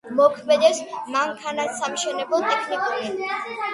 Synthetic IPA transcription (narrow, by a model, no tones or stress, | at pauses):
mɔkʰmɛd̪ɛpsmaŋkʰanassamʃɛnɛbɛlˠt̪ʼɛkʰnikʼuɾi